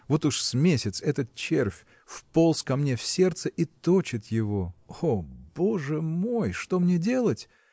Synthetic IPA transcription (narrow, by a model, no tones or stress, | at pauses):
vo̞t̪uʂsmʲesʲɪt̪sɛt̪ət̪̚t͡ɕerfʲ | fpolˠskɐmnʲefsʲe̞rt̪səʔit̪o̞t͡ɕɪt̪jɪvo̞obo̞ʐɨmo̞jʂt̪o̞mnʲedʲe̞lˠətʲ